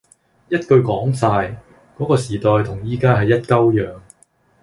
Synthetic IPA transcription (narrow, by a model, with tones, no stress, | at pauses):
jɐ˥t̚kɵ˧ɥkɔː˨˥ŋsaː˧j | kɔː˨˥kɔː˧siː˨˩t̪ɔː˨jt̪ʰʊ˨˩ŋjiː˧kaː˥ɦɐ˨jːɐ˥t̚kɐ˥wjœː˨ŋ